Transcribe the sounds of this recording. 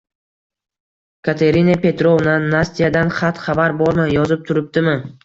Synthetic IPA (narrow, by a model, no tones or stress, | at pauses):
kʰat̪ʰe̞ɾinapʰe̞t̪ɾovnanasʲt̪ijad̪anχat̪χabaɾbɒɾmanjɒzɪp̚t̪ʰʊɾɪp̚t̪ɪmɪ